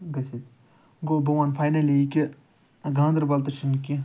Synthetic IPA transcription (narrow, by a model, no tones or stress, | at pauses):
ɡɐsit̪ | ɡobɐʋanfʰajnɐlikʲi | ɡãːnd̪ɾbɐlt̪ɐʃinkʲi